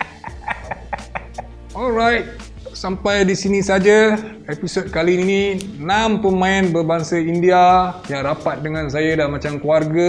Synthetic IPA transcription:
ɔlɾajt̚ | sampajdisinisad͡ʒa | ɛpisod̚kalinininãmpəmãinbərbaŋsəindiajaŋɾapat̪̚dəŋãnsajadamat͡ʃamkluarɡə

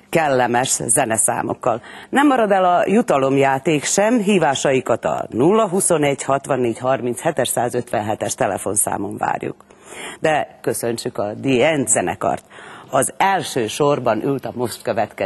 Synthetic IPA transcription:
kɛlːɛmɛʃzɛnɛsa̰ːmo̰kːɒlnɛmːɒɾɒd̪ɛlɒjut̪ɒlo̞mjaːt̪eːkʃɛmɦiːvaːʃɒjikɒt̪ɒ̰nulːɒɦuso̞nɛɟhɒt̪ʋɒnːeːɟhɒrmint̪shɛt̪ɛʃsaːzøt̪ʋɛnɦɛt̪ɛʃt̪ɛlɛ̰fo̞nsa̰ːmo̞ɱva̰ːrjṵk | d̪ɛkøsøɲt͡ʃykɒd̪iɛnt̪zɛnɛ̰kɒ̰rt̪ɒzɛlʃøːʃorbɒnʔylt̪ɒmo̞ʃt̪̚køvɛt̪kɛ

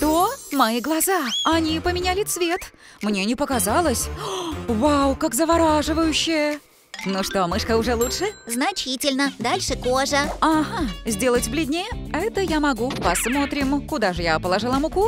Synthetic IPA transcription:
t̪omɐiɡlˠɐzaɐnʲipəmʲɪnʲælʲɪt̪svʲe̞t̪mnʲe̞nʲɪpəkazalˠəsʲ | vawkakzəvɐɾaʐɨvəjʊɕːɪjə | nuʂt̪omɨʂkəʊʐɛlˠutʂɨznɐt͡ɕitʲɪlʲnəd̪alʲʂɨkoʐəaɦazʲdʲe̞lˠətʲvblʲɪdʲnʲejəɛt̪əjamɐɡupɐsmo̞t̪ɾʲɪmkʊd̪aʐɨjapəlˠɐʐɨlˠamʊku

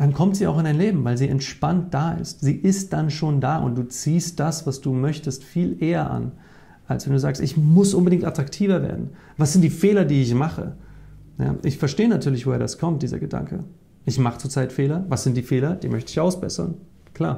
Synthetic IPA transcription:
d̥ankʰɔmtz̥iːa̰ʊɪndaɪnleːbm̩vaɪlziːʔɛntʃpant̚d̥aːʔɪ̰stz̥iːʔɪst̚d̥anʃoːndaːʔʊ̰nt̚d̥uːt͡siːst̚d̥asvasd̥uːmœçtəstfiːlʔeːɐʔa̰n | ʔalsv̥ɛnduːzaːkstʔɪçmʊsʔʊnbədɪŋtatʁ̥aktʰiːvɐvḛːɐdn̩ | vasz̥ɪntd̥iːfeːlɐdiːɪçmaχə̰ | ja̰ːʔɪçfɛɐʃteːənatʰyːɐlɪçv̥oheːɐdaskʰɔmt̚d̥iːzɐ̰ɡəda̰ŋkʰə | ʔɪçmaχət͡sut͡saɪtfeːlɐvasz̥ɪnt̚d̥iːfeːlɐd̥iːmœçtəɪçaʊsb̥ɛ̰sɐ̰n | kʰl̥a̰ːɐ

